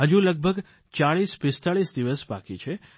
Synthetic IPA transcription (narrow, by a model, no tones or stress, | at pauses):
ɦəd͡ʒuləɡ̚bʱəɡ | t͡ʃaɭispɪst̪aɭisd̪iʋəsba̰kit͡ʃʰe